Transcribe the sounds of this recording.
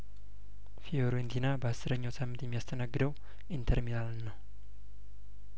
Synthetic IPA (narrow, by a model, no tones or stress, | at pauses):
fioɾɛnt̪ʰinabasəɾəɲːosamət̪imiast̪ʰənaɡdow | int̪ʰərminalnːa